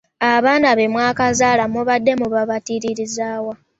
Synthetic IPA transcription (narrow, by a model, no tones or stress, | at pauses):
aβaːnaβe̞mwaːkazaːlamuβadːe̞muβaβatiɾiɾizaːwa